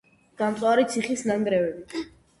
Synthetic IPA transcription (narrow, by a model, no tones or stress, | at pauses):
ɡ̥ant̪sʼwaɾit̪sʰiχisnaŋɡɾɛvɛbi